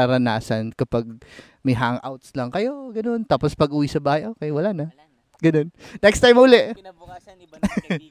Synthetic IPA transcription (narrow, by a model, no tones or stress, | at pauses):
aɾɐnaːsɐnkɐpaɡ̚ | mɐjɦaŋʔa̰wt̪slɐŋkɐjo̞ɡɐno̞nt̪aːpospɐɡʔuːwisɐbaːhɐjʔoːkɛjwɐlaːnɐ | ɡɐno̞nnɛkst̪ajmhuːlɛʔ